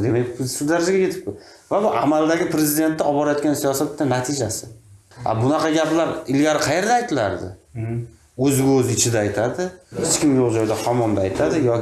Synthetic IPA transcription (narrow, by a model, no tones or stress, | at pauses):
d̪emekʲsʊd̪aɾad͡ʒaɡʲakʰʲe̞t̪ʰɪ̥p̚kʊ | vabʊʔamald̪aɡʲɪpɾe̞zɪd̪e̞nt̪ːaɒbɒɾajɒt̪̚kʲansijɒsat̪ːanat̪ʰɪd͡ʒasɪ | a̰bʊnɑqʰɑɡʲaplaɾɪlɡʲaɾɪqʰɑje̞ɾd̪aːjt̪ʰɪla̰ɾd̪ɪ̰ | ɵzɪɡʲaɵzɪt͡ʃʰɪd̪aːjt̪ʰad̪ɪhɪt͡ʃkʲɪmjoʁd͡ʒɒjd̪ahɒmɒmd̪aajt̪ʰad̪ɪjɒ